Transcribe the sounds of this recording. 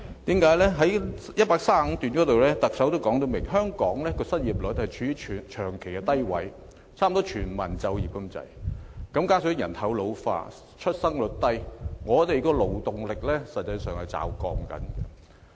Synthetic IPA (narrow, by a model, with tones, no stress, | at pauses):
t̪iː˨˥mkaː˨˥jlɛː˥ɦɐ˨˥j | jɐ˥t̚paː˧˥k̚saː˥˨m̩˨˧˥t̪yː˨nkɔː˨˥t̪o˨wlɛː˥t̪ɐ˨k̚sɐ˨˥wt̪o˥wkɔː˨˥ŋt̪o˧wmɪ˨˩ŋɦœː˥ŋkɔː˨˥ŋlɛː˥kɔː˧sɐ˥t̚jiː˨˩p̚lɵ˨˥t̚hɐ˨jt͡ʃʰyː˨˧˥yː˧˥˨t͡ʃʰœː˨˩ŋkʰe˨˩jkɛː˧t̪ɐ˥jwɐ̰˨˥j | t͡sʰaː˥m̩˨t̪ɔː˥t͡ʃʰyː˨˩nmɐ˨˩nt͡sɐ˧wjiː˨p̚kɐ˥mt͡sɐ̰˨˩jkɐ˨˥mkaː˥nsɵ˨˥jɐ˨˩nt̪ʰɐ˨˥wlo˨˧wfa̰ː˧ | t͡ʃʰɵ˥t̚sɐ˥ŋlʊ˨˥t̚t̪ɐ˥jŋɔː˨˧t̪e˨jkɔː˧lo˨wt̪ʊ˨ŋlɪ˨k̚lɛː˥sɐ˨t̚t͡sːɐ˧jsœː˨ŋhɐ˨jt͡sa̰ː˨˩wkɔ̰ː˧ŋkɐ̰˨˥nkɛ̰˧